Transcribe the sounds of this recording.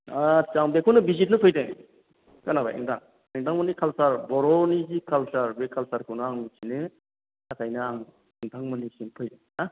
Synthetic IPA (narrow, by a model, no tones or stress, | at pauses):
at͡ʃaŋbekʰonɯbizit̚nɯpʰɯjde | kanaba̰ʔḭŋdʰaŋ | eŋdʰaŋmɯnikʰalsaɾbɔɾɔnizikʰalsaɾbekʰalsaɾkʰɯwnɯaŋit͡ʃʰinɯ | akajnɯaŋ | iŋtʰaŋmɯnisinpʰɯjde | a